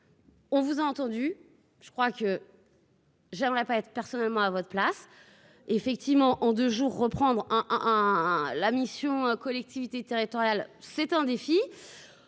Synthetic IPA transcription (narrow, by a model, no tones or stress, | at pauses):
ɔ̃vuzaɑ̃t̪ɑ̃d̪y | ʒ̥ə̥kχwakə | ʒɛmʁɛpaɛt̪χpɛʁsɔnɛlmɑ̃avɔt̪χəplas | efɛk̚t̪ivmɑ̃ʔɑ̃d̪øʒuːʁːəpχɑ̃d̪ʁɛ̃ɛɛ̃lamisjɔ̃økɔlɛk̚t̪ʰivit̪et̪eʁit̪ɔʁjalsɛt̪ɛ̃d̪efi